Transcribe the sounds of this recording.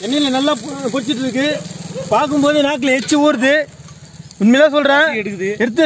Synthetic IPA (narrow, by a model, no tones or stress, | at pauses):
ɛnːɐlɐnɐlːaːpʊɽɪt͡ʃːɪʈːɯðɯk̬ːɯpaːɾk̬ɯmpoːðɯnaːk̬ːɪlɛt͡ʃːɯuːɾɯðɯ | ʊnmɐɪlaːsɔlrɾẽːɛɽɯkːɯðɯɛɾɯt̪ːɯ